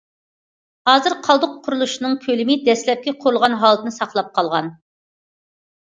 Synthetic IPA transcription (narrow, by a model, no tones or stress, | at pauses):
hɑːzɨɾqʰɑlˠd̪ʊqʰːʊɾulˠuʃinɨŋkʲʰølɪmɪd̪ɛslɛp̚kʲɛqʰʊɾulˠʁɑnɦɑlˠt̪ʰɨnɨsɑqlˠɑp̚qʰɑlˠʁɑn